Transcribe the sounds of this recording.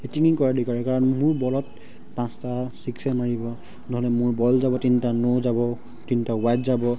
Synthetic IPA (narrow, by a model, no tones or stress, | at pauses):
etiŋiŋkɔɹadikaɹɛkaɹɔnmʊɹbɔlɔt | pãstasiksɛmaɹibɔ | nɔɦɔlɛmʊɹbɔlzabɔtintanozabɔ | tintaʊwajtzabɔ